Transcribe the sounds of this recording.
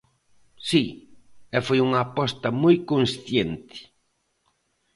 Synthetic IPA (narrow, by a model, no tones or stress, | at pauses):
si | ɛfojuŋɐːpɔst̪ɐmojkõnsθjent̪ɪ̥